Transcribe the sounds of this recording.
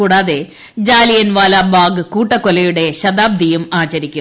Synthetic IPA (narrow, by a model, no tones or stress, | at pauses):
uːɽaːðe̞ | d͡ʑaːlijɐnʋaːlaːbaːɡɨkuːʈːɐkːolɐjuɽe̞ɕɐd̪aːb̚d̪ʱijumaːt͡ɕɐɾikʲːu